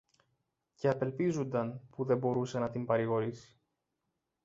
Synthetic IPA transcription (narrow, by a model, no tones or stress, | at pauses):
ce̞ɐpe̞lpizund̪ɐnpuðe̞bo̞ɾuse̞nɐt̪impɐɾiɣo̞ɾisi̥